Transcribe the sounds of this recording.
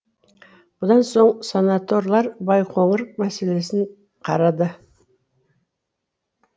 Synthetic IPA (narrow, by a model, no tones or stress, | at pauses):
bʊd̪ɑnso̞ɴsonat̪o̞ɾlˠɑɾbɑjqʰo̞ɴəɾqmæse̞le̞sɪɴ | qʰɑɾɑd̪ə